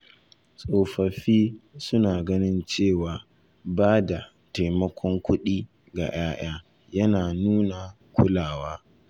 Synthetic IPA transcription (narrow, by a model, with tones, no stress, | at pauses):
sʼoː˨ɸɐ˨ɸiː˦sʊ˦naː˨ɡɐ˦nɪ˦nt͡ʃeː˦˨waː˨ | baː˦da˨ | ta˨jmɐ˦kʷʰɔ˦ŋkʷʊ˦ɗiː˦ | ɡa̰˨j̰aː˦j̰aː˦ | jɐ˦naː˨nuː˦na˨ | kʷʰʊ˦laː˨waː˦